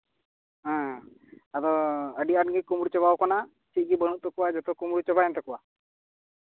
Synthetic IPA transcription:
ɦã | at̪ɔəɖiaɖɡikumuɽut͡ʃɔβawkɔna | t͡ʃic̚ɡibəɽ̃ut̪ːɔkuwad͡ʒɔt̪ɔkumuɽut͡ʃɔbaɛnt̪ɔkuwa

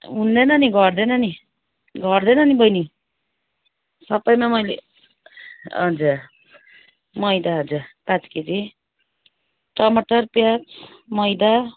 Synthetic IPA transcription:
ɦund̪enʌniɡʌrd̪enʌni | ɡʱʌrd̪enʌnibʌjni | sʌpʌjmamʌjlḛ | ʌ̰d͡za | mʌjd̪aɦod͡zapat͡skit̪i | ʈʌmʌʈʌrpjat͡s | mʌjd̪a

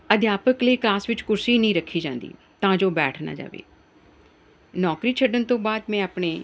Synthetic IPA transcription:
əd̪jaːpəkləiːklaːsʋɪt͡ʃkʊɾsiːnəĩːɾəkʰːiːd͡ʒãːnd̪ḭː | t̪ãːd͡ʒoːbɛːʈʰna̰ːd͡ʒa̰ːʋḛː | nɔːkɾiːt͡ʃʰəɖənt̪õːbaːd̪mɛ̃ːaːpɳeː

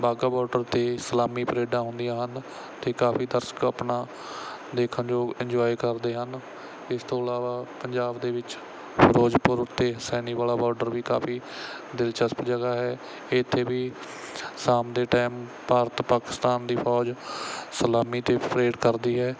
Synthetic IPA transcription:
baːɡaːbɔːɾɖəɾt̪eːsəlaːmiːpəɾeːɖãːɦʊ̃nd̪ijãːɦən | t̪eːkaːfiːd̪əɾsə̥kəpnaː | d̪eːkʰənd͡ʒoːɪɲd͡ʒɔːikəɾd̪eːɦən | ɪst̪ʰoːəlaːʋaːpəɲd͡ʒaːbd̪eːʋɪt͡ʃ | pɾoːd͡ʒpʊɾʊt̪ʰːeːɦsɛːniːʋaːlaːbɔːɾɖəɾʋiːkaːpʰiː | d̪ɪlt͡ʃəspd͡ʒəɡaːɦɛː | ɪɪt̪ʰːeːʋiː | saːmd̪eːʈaːmpaːɾt̪paːkɪ̥st̪aːnd̪iːpʰɔːd͡ʒsəlaːmiːt̪eːpɾeːɖkəɾd̪iːɦɛː

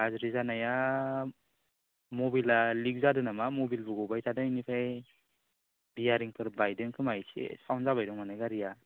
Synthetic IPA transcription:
azɾizanaja | mɔbilaliɡ̚zadɯnamamɔbilbɯɡɔbajtʰadɯnipʰaj | bijaɾiŋpʰɯɾbajdɯŋkʰɯmajsḛsawnzabajdɔŋmanajɡaɾija

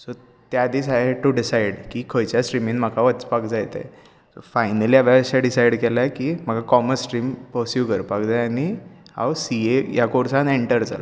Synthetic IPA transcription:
so | t̪jad̪iːsaɦeʈuɖisaiɽkikʰəjt͡ɕjasʈɾiminm̤əkʰaʋət͡spakd͡zajt̪ḛ | sofajnəliːaʋjaəɕaɖisajɽkelajkiːm̤əɡakɔməsʈɾiːmpəsjukəɾpakd͡zajanihã̰wsiejakoɾsãneɳʈəɾd͡za̰lo

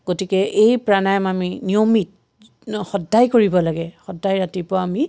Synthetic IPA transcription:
ɡotikɛʔejpɹanajmaminiomit̚ | xɔdːajkoɹibɔlaɡɛxɔdːajɹatipʊaami

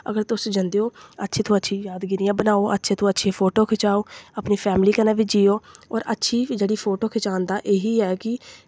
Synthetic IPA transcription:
ə̰ɡəɾt̪ʊsd͡ʒənd̪eːoːətːʃʰiːt̪ʰõːətːʃʰiːjaːd̪ɡɪɾɪjãːbənaːoːʔə̰tːʃʰẽːt̪ʰõːətːʃʰeːpʰoːʈoːkʰɪt͡ʃaːoːapniːpʰɛːmliːkəneːʋɪt͡ʃd͡ʒiːoːɔːɾə̰tːʃʰiːd͡ʒeːɽiːpʰoːʈoːkʰɪt͡ʃaːnd̪aːʔeːɦiːɛːkɪ

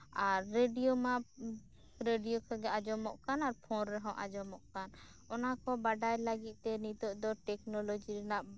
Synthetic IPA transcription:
aɾːeɖijoma | ɾeɖijokaɡɛad͡ʒɔmɔʔkanaɾpʰɔnɾɛɦɔ̃ʔad͡ʒɔmɔʔkan | ɔnakɔbaɖajlaɡit̪̚ˀt̪ɛnit̪ɔʔd̪ɔʈɛknɔlod͡ʒiɾɛnaʔ

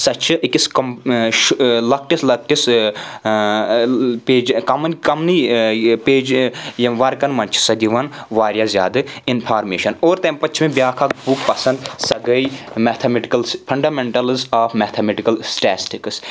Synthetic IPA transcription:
sɐt͡ʃʰɨʔikiskɐʃlɐk̚ʈislɐk̚ʈis | peːd͡ʒkɐmɐnkɐmnipeːd͡ʒjɐmʋɐɾkɐnmɐnt͡ʃʰsɐd̪iʋɐnʋaːɾʲjazʲja̰ːd̪ɐinpʰaːɾmḛːʃɐnoːɾt̪empɐt͡ʃʰmẽbʲjaːkʰakbukpɐsɐnd̪sɐɡɐimɛːt̪ʰɐmeʈikɐlspʰɐɳɖaːmeɳʈɐlzaːfmɛːt̪ʰɐmeʈikɐlsʈɛːsʈiks

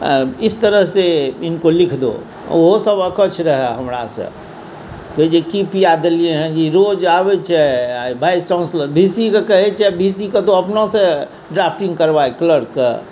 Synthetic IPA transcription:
ɪst̪əɾəɦseɪnkolɪkʰd̪o̰ | oɦosəbəkət͡ʃʰɾəɦaɦəmɾa̰sḛ̃ | kəd͡ʒekipiad̪əliẽɦɛ̃d͡ʒiɾod͡ʒabet͡ʃʰɛbʱaːjst͡ʃãʊnsləbʱisikekəɦɛt͡ʃʰɛbʱisiket̪oəpnõse | ɖɾapʰʈĩŋɡkəɾbaekləɾke

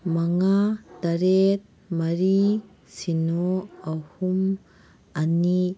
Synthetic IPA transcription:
mɐŋat̪ɐɾet̪̚ | mɐɾi | sinoɐhum | ɐni

